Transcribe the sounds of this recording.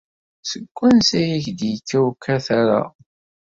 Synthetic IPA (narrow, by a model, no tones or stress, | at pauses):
səɡʷːænsæjiçd̪jikːæwkːæθaɾa̰